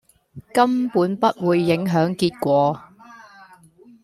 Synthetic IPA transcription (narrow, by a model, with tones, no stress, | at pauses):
kɐ˥mpuː˨˥npɐ˦˥t̚wuː˨˧jːɪ˨˥ŋɦœː˨˥ŋkiː˧t̚kʷɔː˧